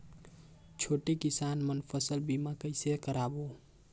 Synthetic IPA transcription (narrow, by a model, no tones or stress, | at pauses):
t͡ʃʰoːʈekɪsaːnmənpʰəsəlbimakəɪsekəɾaːboː